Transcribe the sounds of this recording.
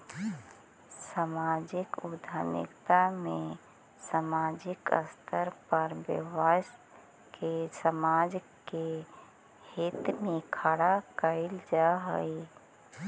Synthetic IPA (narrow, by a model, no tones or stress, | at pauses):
samad͡ʒɪkʊd̪ʱanɪ̰kt̪amẽ | samad͡ʒɪkə̰st̪ʰəɾpəɾbə̰was | kesəmad͡ʒke | hit̪mẽkʰaɽakəɪld͡ʒaɦə̰j